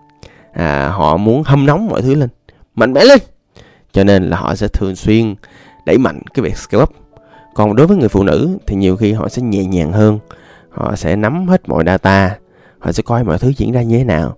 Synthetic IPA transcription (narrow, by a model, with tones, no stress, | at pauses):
ʔa̰ː˨˩ɦɔ̰˧˨mu˨˦ənhə˧mna˨˦wŋ͡mmːɔ̰˧˨jt̪ʰɨ˨˦le˧n | ma̰˧˨ŋ̟mɛ̰˧˥le˧n | t͡ɕɔ˧ne˧nlaː˨˩hɔ̰˧˨sɛ̰˧˥t̪ʰɨ˨˩əŋswi˧ən | ɗə̰˧˩jma̰˧˨jŋ̟kaː˨˦jvḭ˨˩ək̚ske˧wa˦˥p̚ | kɔ˨˩nɗo˨˦jvəː˨˦jŋɨ˨˩əjfṵ˧˨nɨ̰˧˥t̪ʰi˨˩ɲi˨˩əwxi˧ɦɔ̰˧˨sɛ̰˧˥ɲɛ̰˧˨ɲaː˨˩ŋɦəː˧n | hɔ̰˧˨sɛ̰˧˥na˨˦mhe˦˥t̚mɔ̰˧˨jɗaː˧t̪aː˧ | hɔ̰˧˨sɛ̰˧˥kɔ˧jmɔ̰˧˨jt̪ʰɨ˨˦zi˧˥ənzaː˧ɲɨ˧t̪ʰe˨˦˥naː˨˩w